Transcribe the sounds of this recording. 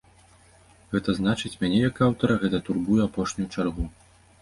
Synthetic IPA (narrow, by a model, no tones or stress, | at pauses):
ɣɛt̪ɐznat͡ʂɨt͡sʲmʲanʲɛjɐkawt̪ɐɾɐɣɛt̪ɐt̪urbujɛapɔʂnʲujut͡ʂarɣu